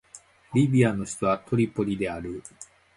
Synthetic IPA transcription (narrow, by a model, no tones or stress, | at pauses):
ɾʲibʲiano̞çi̥t̪oβat̪ʰo̞ɾʲipːo̞ɾʲid̪e̞aɾɯ